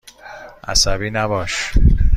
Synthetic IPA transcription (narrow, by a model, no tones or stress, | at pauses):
ʔæ̰sæbiːnæbɒːʃ